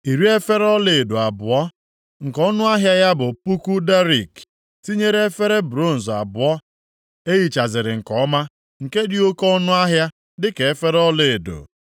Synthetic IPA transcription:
i˨ɾi˦e˦fe˦ɾɔ˦le˨do˨a˨bʊ˨ɔ˦ | ŋ̩˨kɔ˦nʊ˦a˦ɦja˦ja˦bʊ˨pu˦ku˦da˦ɾi˨k | ti˦ɲe˦ɾe˦e˦fe˦ɾe˦bɾo˦˨n̩˨za̰˨bʊ˨ɔ˦ | e˦ji˨t͡ʃa˨zɪ˨ɾɪ˨ŋ̩˨kɔ˨˦ma˦ | ŋ̩˨ke˦dɪ˦o˦kɔ˦nʊ˦a˦ɦja˦ | dɪ˦ke˨e˦fe˦ɾɔ˦le˨e˨do̰˨

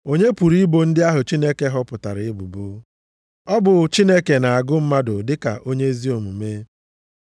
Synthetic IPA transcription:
o˦ɲe˦pu˨ɾi˦bo˨n̩˦dɪ˦a˦ɦʊ˨t͡ʃi˦ne˦ke˦ɦɔ˦pʊ˨ta˨ɾɪ˨ɪ˦bu˨bu˦ | ɔ˦bʊ˨t͡ʃi˦ne˦ke˨na˨a˨ɡʊ˦m̩˦ma˦dʊ˨dɪ˦ka̰˨ʔo˦ɲe˦zi˦o˨mu˨me˦

